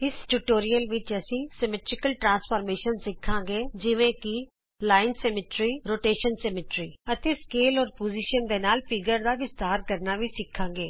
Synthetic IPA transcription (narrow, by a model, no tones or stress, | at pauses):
ɪsʈuʈoːɾijəlʋɪt͡ʃɛsisɛmɛʈɾɪkəlʈɾãːnspəːɾmeːʃənsɪkʰãɡeːd͡ʒɪʋẽki | laːɪnsɛmɪʈɾiɾoːʈeːʃənsɛmɪʈɾiːɐt̪eskeːlɔːɾpoːd͡ʒiʃənd̪enaːlfɪɡəɾd̪aʋɪst̪aːɾkəɾnabʱisɪkʰːãːɡeː